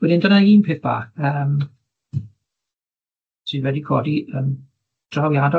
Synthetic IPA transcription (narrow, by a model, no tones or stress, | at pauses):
wɛdɪndənaiːnpʰeːθb̥a̰ːkəːm | sɨnwɛdikʰɔːdiəm | d̥rawjadɔ